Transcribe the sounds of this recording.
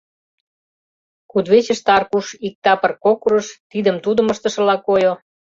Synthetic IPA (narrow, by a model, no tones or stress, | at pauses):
kud̪βet͡ɕə̆ʃt̪ɑrkuʃik̚t̪ɑpə̆rkokuɾə̆ʃt̪id̪ə̆mt̪ud̪ə̆məʃt̪ə̆ʃə̆lɑkojo